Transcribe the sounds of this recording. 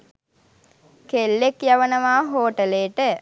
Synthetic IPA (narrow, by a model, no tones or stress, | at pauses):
kelːekjaʋənəʋaːɦoːʈəleʈə